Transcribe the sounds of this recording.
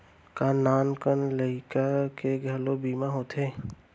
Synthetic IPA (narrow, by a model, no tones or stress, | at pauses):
kanaːnkənləɪkakeɡʱəlobiːmaɦoːt̪ʰeː